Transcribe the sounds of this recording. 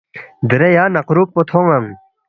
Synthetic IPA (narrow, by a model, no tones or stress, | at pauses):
d̪əɾejaːnɐqɾuːk̚pot̪ʰõːŋɐŋ